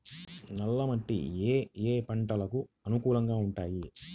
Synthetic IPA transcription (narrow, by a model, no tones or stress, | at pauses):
nɐlːɐmɐɳʈḭeːeːpɐɳʈɐlɐkuɐnukuːlɐŋɡaːuɳʈaːji